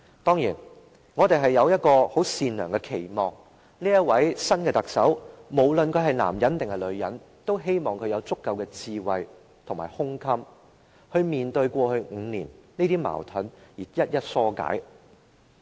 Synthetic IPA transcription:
t̪ɔː˥ŋjiː˨˩n | ŋɔː˨˧t̪e˨˩jɦɐ˨jːɐ˨˧wjɐ˥t̚kɔː˧ho˨˥wsiː˨nlœː˨˩ŋkɛ˧kʰe˨˩jmɔː˨ŋ | niː˥jɐ˥t̚wɐ˨˥jsɐ˥nkɛː˧t̪ɐ˨k̚sɐ˨˥wmo˨˩wlɵ˨nkʰɵ˨˧ɥɦɐ˨jla̰ː˨˩mjɐ˨˥nt̪ɪ˨ŋɛ˨˩lɵ˨˧ɥjɐ˨˥n | t̪o˥wɦe˥jmɔː˨ŋkʰɵ˨˧ɥjɐ˨˧wt͡sʊ˥kːɐ˨˧wkɛː˧t͡siː˧wɐ˨j | t̪ʰŋmaː˨˩jhʊ˥ŋkʰɐ˥m | hɵ˧ɥmiː˨nt̪ɵ˧ɥkʷɔː˧hɵ˧ŋ̩˨˧niː˨˩nniː˥t̪iː˥ma̰ː˨˩wt̪ʰɵ˨˥njiː˨˩jɐ˥t̚jɐ˥t̚sɔː˥ka̰ː˨˥j

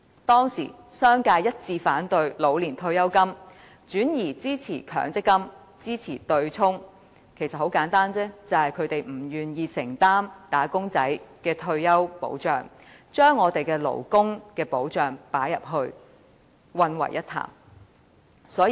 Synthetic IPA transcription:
t̪ɔː˥ŋsḭ˨˩ | sœː˥ŋkaː˧jɐ˥t̚t͡siː˧faː˨˥nt̪ɵ˧ɥlo˨˧wliː˨˩nt̪ʰɵ˧ɥjɐ˥wkɐ˥m | t͡ʃyː˨˥njiː˨˩t͡siː˥t͡sʰiː˨˩kʰœ̰ː˨˩ŋt͡sɪ˥kːɐ˥m | t͡siː˥t͡sʰiː˨˩t̪ɵ˧ɥt͡sʰʊ˥ŋ | kʰe˨˩jsɐ˨t̚ho˨˥wkaː˨˥nt̪aː˥nt͡sɛː˥t͡sɐ˨˩whɐ˨jkʰɵ˨˧ɥt̪e˨jm̩˨˩jyː˨˩njiː˧sɪ˨˩ŋt̪aː˥mt̪aː˨˥kʊ˥ŋt͡sɐ˨˥jkɛː˧t̪ʰɵ˧ɥjɐ˥wpo̰˨˧˥wt͡ʃœː˨ŋ | t͡ʃœː˥ŋːɔː˨˧t̪e˨jkɛː˧lo̰˨˩wkʊ˥ŋkɛː˧po˨˥wt͡ʃœː˨˩ŋpaː˨˥jɐ˨p̚ɦɵ˧ɥ | wɐ˧nwɐ̰˨˩jːɐ˥t̪ʰa̰ː˨˩m | sɔː˨˥

